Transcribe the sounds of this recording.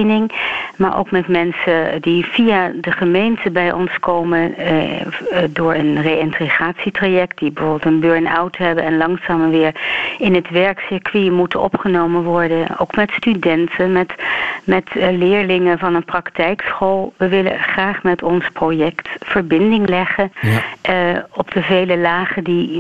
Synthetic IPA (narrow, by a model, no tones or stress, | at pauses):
nɪŋma̰ːɹʔo̰wkmɛtmɛnsədiv̥ijadəχəmejntəbɛjʔɔ̰nskowmə | dʊːɹənrejɪntriχaːtsitraːjɛk̚t̚dibəvoːbəl̩ˠtənbøɹna̰wtɦɛbənɛnlɑŋsaːməʋɪːɹɪnɦətʋɛɹksɪɹkʋimutəɔ̰pχənowmənʋɔɹdəno̰wkmɛtstydɛntʰəmɛtmɛtlɪːɹlɪŋənvɑnənprɑktɛjksχolˠʋəʋɪlə̰χraːχmɛtɔnsprojɛktfəɹbɪndɪŋlɛχən | ɔbdəvejləlaːχədi